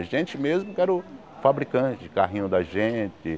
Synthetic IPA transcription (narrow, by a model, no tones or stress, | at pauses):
ʒẽt͡ʃɪmezmʊkɛɾʊ | fabɾikɐ̃t͡ʃɪd͡ʒɪkaɦĩɲʊd̪ɐʒẽt͡ʃɪ